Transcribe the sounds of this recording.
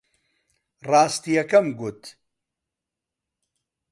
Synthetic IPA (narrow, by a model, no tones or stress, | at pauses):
raːst̪ijɐkɐmɡut̪